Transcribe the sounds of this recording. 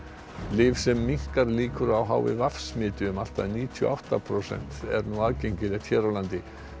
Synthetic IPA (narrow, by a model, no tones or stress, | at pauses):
lɪːfsɛmːiŋ̥kaɾliːkʏɾawɦa̰ːwvɪ̰vafsmɪːt̪ɪʏmal̥t̪aðniːt̪ʰjɔ̰ʔawht̪apʰɾowsɛ̰n̥t̪ɛ̰ɾnuaðcejɲcɪlɛt̪ʰçɛːɾawlant̪ɪ